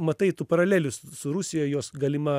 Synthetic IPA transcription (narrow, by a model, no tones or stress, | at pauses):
mɐt̪ɐɪt̪uːpɐɾɐlʲæːlʲʊssʊɾʊsʲɪjɛjoːsɡɐːlʲɪmɐ